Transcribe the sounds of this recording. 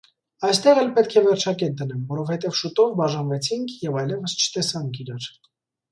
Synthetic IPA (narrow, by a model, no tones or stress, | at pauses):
ɑjst̪ɛʁɛlpɛt̪kʰɛvɛɾt͡ʃʰɑkɛt̪̚d̪ənɛmvɔɾɔvhɛt̪ɛvʃut̪ɔvbɑʒɑnvɛt͡sʰiŋkʰjɛvɑjlɛvəst͡ʃʰə̥t̪ɛsɑŋkʰiɾɑɾ